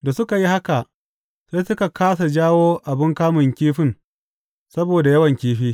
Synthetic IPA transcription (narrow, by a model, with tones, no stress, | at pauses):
da˨sʊ˦ka˨ji˦ha˦ka˨ʔ | se˦sʊ˦ka˨kʰaː˦s̬a˨d͡ʒaː˦woː˦ʔa˨bɪ˦ŋkaː˦mʊ˨ŋkʲiː˦ɸɪ˦˨n | sɐ˦boː˨da˨jɐ˦wɐ˨ŋkʲiː˦ɸiː˦